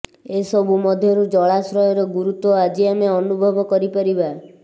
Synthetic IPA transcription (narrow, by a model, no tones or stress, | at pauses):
esɔbʱumɔd̪ʱjɔɾud͡ʒɔɭasɾɔjɔɾɔɡuɾut̪wɔad͡ʒiameɔnubʱɔbɔkɔɾipaɾiba